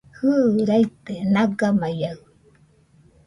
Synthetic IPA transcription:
hɯɾajt̪enaɡamajaɯ

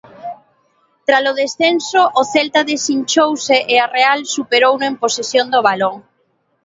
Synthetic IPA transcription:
t̪ɾasʊðesθensʊʔːθɛlt̪aðesiɲt͡ʃowseʔearealsupeɾownʊemposesjond̪oβ̞aloŋ

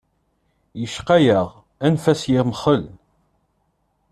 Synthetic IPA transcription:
jəʃqæjəʁ | ænfæsjɪʁmχəl

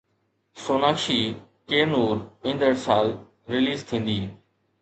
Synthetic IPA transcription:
soːnaːkʃiː | keːnuːɾɪ̃nd̪əɽsaːl | ɾɪliːzt̪ʰĩːn̆d̪iː

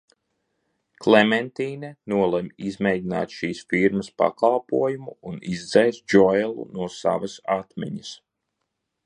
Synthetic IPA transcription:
klˠemɛnt̪iːnɛnuɔlˠɛmizmɛjd̪ʲina̰ːt̪ʃiːsfiɾmɐspa̰kalˠpuɔjumuːnizd̪zɛjsd͡ʒɔjɛlˠṵnuɔsa̰vɐsat̪mɛ̰ɲəs

